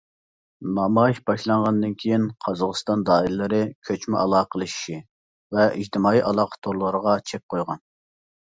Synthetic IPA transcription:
nɑmɑʃbɑʃlˠɑɴʁɑnd̪ɨnkʲʰejinqʰɑzɑʁəst̪ɑnd̪ɑːillːˠɨɾɨkʲʰøt͡ʃmɪʔɑlˠɑːqʰəlˠɨʃi̥ʃi | vɛid͡ʒt̪ɪmɑːiʔɑlˠɑqʰə̥t̪ʰoɾlˠəɾəʁɑt͡ʃʰɛp̚qʰojʁɑn

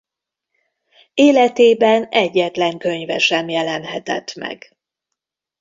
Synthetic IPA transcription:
eːlɛt̪eːbɛnɛɟːɛt̪lɛŋkø̞ɲvɛʃɛmjɛlɛnɦɛt̪ɛ̰t̪mɛ̰ɡ

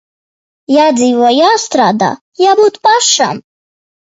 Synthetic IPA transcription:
jad͡zivɔjast̪ɾad̪a̰ | jabud̪pʼaʂa̰m

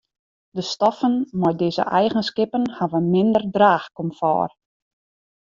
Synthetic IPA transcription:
dəstɔfənmɔjdɪːzə̰ʔɛjɣənskɪpənhaʋənmɪndərdraːxkɔmfɔ̰ːr

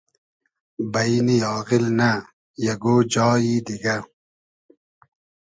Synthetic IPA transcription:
bɐiniɑːɣilnɐ | jɐɡoːd͡ʑɑːjiːd̪iɡɐ

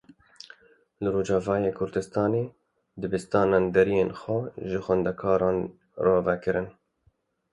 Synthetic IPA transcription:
lɨɾoːd͡ʒɑːvɑːjeːkʰʊɾd̪ɨst̪ɑːneː | d̪ɨbɨst̪ɑːnɑːnd̪ɛɾijeːnxwɛʒɨxʷwɛnd̪ɛkʰɑːɾɑːn | rɑːvɛkɨɾɨn

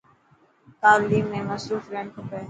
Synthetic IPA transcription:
t̪aːliːmːẽmɐsɾuːfɾɛ̃ɳɖkopɛː

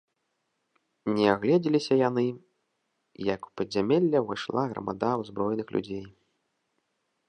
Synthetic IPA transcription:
nʲɛaɣlʲɛd͡zʲilʲisʲɐjanɨ | jɐku̥pɐdʲzʲamʲɛlʲːɐvaʂlˠaɣɾɐ̰ma̰d̪awzbɾɔjnɨxlʲṵd͡zʲej

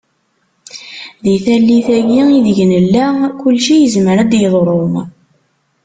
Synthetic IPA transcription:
ðiθælːiθæʝiiðʝnəlːækʊlʃijəzməɾæd̪jəðˤɾˤom

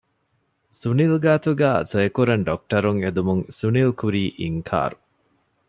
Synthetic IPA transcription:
sunilɡaːt̪uɡæːsoekuɾɐnɖok̚ʈɐɾuŋed̪umuŋsunilkuɾiːʔiŋkʰa̰ːɾu

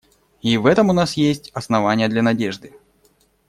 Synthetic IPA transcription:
ivɛt̪əmʊnasjesʲtʲɐsnɐvanʲɪjəd̪lʲɐnɐdʲeʐd̪ɨ

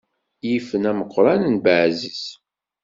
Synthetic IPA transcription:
jifənæməqːɾˤɑnənbəʕzəs

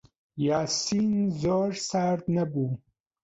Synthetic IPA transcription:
jɑːsinzoɾsaɾd̪nabu

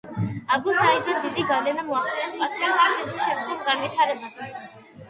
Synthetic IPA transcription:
abusaid̪and̪id̪iɡalɛnamɔaχt̪ʼɛnɛspʼaɾsiaχaɾt̪ɛzʃɛmd̪ɛɡɡanvit̪ʰaɾɛbazɛ

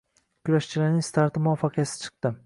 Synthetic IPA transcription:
kʲʰʊlaʃt͡ʃʰɪlaɾnɪŋst̪ʰaɾt̪ʰɪmʊafɑqʰɨjasɪ̥t͡ʃʰɨ̥q̚t̪ɪ

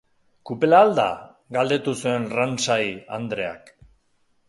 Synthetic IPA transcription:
kupelaːld̪a̰ | ɡald̪e̞t̪usue̞nransaja̰nd̪ɾe̞a̰k

